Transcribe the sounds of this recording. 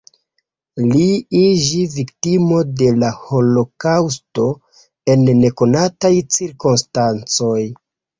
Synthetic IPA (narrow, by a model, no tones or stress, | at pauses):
liid͡ʒiviktimo̞de̞laho̞lo̞kawsto̞ | e̞nːe̞ko̞natajt͡siɾkonstant͡so̞j